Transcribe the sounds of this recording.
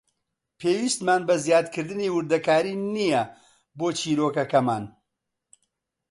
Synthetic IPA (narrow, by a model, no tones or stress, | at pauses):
pʰeːwist̪maːnbɐzjaːd̪kʰɨɾd̪ɨniːwɨɾd̪ɐkaːɾiːnijɐ | boːt͡ʃʰiːɾoːkɐkɐmaːn